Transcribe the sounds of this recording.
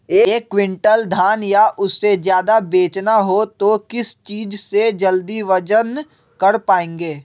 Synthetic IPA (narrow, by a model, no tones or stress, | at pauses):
eːeːkːʋɪ̃ɳʈəld̪ʱaːnjaʔʊsːezjaːd̪abeːt͡ʃnaɦot̪okɪst͡ʃiːd͡ʒsed͡ʒɐld̪iʋɐd͡ʒən | kɐɾpaːẽːŋɡeː